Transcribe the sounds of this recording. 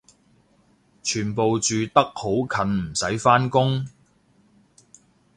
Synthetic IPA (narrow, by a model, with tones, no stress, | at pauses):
t͡ʃʰyː˨˩npo˨wt͡ʃyː˨t̪ɐ˥k̚ho˨˥wkʰɐ˨˧nm̩˨˩sɐ˨˥jfaː˥nkʊ˥ŋ